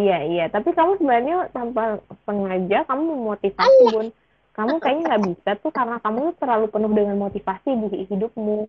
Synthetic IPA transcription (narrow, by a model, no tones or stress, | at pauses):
ijaijat̪apikamusəbalanɲat̪ampasəŋad͡ʒakamuməmot̪ifasibʊn | kamukajaʔɲaŋɡaʔbisat̪ʊhkaɾənakamut̪ut̪ərlalupənʊhdəŋanmot̪ifasidiɦidʊp̚mu